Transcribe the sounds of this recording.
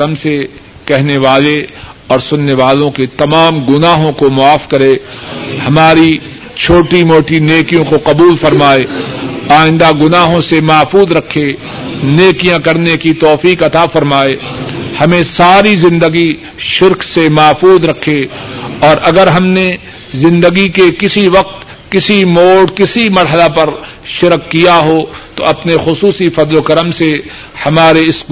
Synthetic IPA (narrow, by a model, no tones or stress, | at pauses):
ɐmse | kɛɦneʋaːleɔːɾsʊnːeʋaːlõket̪ɐmaːmɡʊnaːɦõkomʊaːfkɐɾehɐmaːɾi | t͡ʃʰoːʈimoːʈineːkijõkoqɐbuːlfɐɾmaːeaːɪ̃nd̪aɡʊnaːɦõsemɐːfuːzɾɐkʰe | neːkijãkɐɾnekit̪ɔːfiːqɐt̪afɐɾmaːeːhɐmẽsaːɾizɪ̃nd̪əɡi | ʃɪɾksemɐːfuːzɾɐkʰeɔːɾɐɡəɾɦɐmne | zɪ̃nd̪əɡikekɪsiʋɐq̚t̪ | kɪsimoːɽkɪsimɐɾɦəlapɐɾ | ʃɪɾkːijaɦot̪oɐpnexʊsuːsifɐd̪lokɐɾəmse | hɐmaːɾeɪs